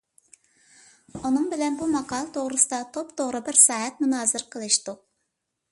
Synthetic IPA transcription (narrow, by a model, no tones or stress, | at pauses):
unɨŋbɪlɛnbumɑqʰɑːlˠɨt̪ʰoʁɾɨsɨd̪ɑt̪ʰopt̪ʰoʁɾɨbɪɾsɑːɦɛt̪̚munɑːzɨɾqʰəlˠɨʃt̪u